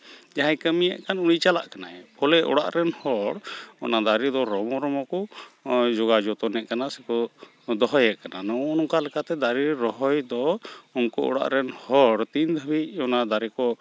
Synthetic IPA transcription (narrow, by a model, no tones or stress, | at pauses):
d͡ʒaɦajkəmija̰ʔkanuɽ̃it͡ʃala̰ʔkanaɛpʰɔlɛʔɔ̰ɽa̰ʔɾɛnhɔɽɔ̰nad̪aɾid̪ɔɾɔmɔɾɔmɔku | d͡ʒɔɡad͡ʒɔt̪ɔnɛʔkanasɛkɔ | d̪ɔɦɔjɛʔkananɔːnɔkalɛkat̪ɛd̪aɾiɾɔɦɔjd̪ɔɔnkuɔ̰ɽa̰ʔɾɛnhɔɽt̪ind̪ʱəbiɔnad̪aɾikɔ